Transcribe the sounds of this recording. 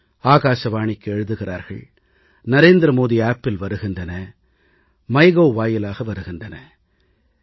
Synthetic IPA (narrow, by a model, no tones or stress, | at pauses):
aːɣaːʂɐʋaːɳɪkːɛɻɯðɯɣɪra̰ːɾɣɐ̰ɭ | nɐɾeːnd̪ɾɐmoːðiaːpːɪlʋɐɾɯɣɪndɐnɐ | mɐɪɣoːʋaːjɪlaːɣɐʋɐɾɯɣɪndɐnɐ